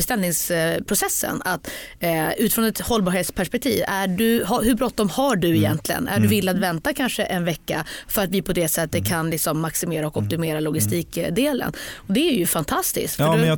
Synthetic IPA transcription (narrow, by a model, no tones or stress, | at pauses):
ɛst̪ɛlnɪŋspʰɾʊsɛsːə̰nat̪ | ʉ̟ːt̪ɪfɾɔnɛt̪hɔlːbɑːɾheːt̪spʰæʂpɛk̚t̪ʰḭːvæɖɵɦahɵbɾɔt̪ːɔmhaɖɵɪjɛnt̪ʰlɪɡə̰næ̰ɖɵvɪlːat̪vɛnt̪akʰanʂəʔɛnvɛkːa̰fœɾat̪vɪpʰɔd̪ɛsɛt̪ːət̪̚kʰanlɪksɔmːaksɪmeːɾaɔkɔp̚t̪ɪmeːɾalʊɡɪst̪iːkd̪eːlə̰nɔd̪ɛæɾjɵfant̪ʰast̪ɪ̰skt̪ffɖ